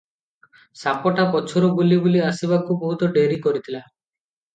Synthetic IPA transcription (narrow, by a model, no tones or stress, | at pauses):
sapɔʈapɔt͡ʃʰɔɾɔɡulibuliasibakubɔɦut̪ɔɖeɾikɔɾit̪ʰila